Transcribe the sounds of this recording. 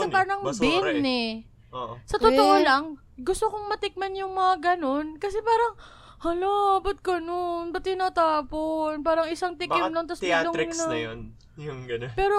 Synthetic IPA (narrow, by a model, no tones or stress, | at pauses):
ɐpaɾɐŋbɪnɛ | oʔsɐt̪ot̪oʔolɐŋ | ɡʊst̪okoŋmɐt̪ɪk̚mɐnjʊŋmɐŋaɡɐno̞nkɐsɛpaːɾɐŋ | hɐlabɐt̪̚kɐnonbɐt̪ːɪnat̪aːponpaːɾɐŋɪsaŋt̪ɪɪmlont̪ɐsmaloŋnɐɐjon | jʊŋɡɐnpɛːɾo